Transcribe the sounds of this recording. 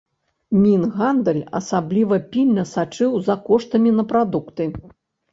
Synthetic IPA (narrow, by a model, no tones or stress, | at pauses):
mʲinɣand̪ɐlʲɐ̰sablʲivɐpʲilʲnɐsat͡ʂɨwzɐkɔʂt̪ɐmʲinɐpɾad̪ukt̪ɨ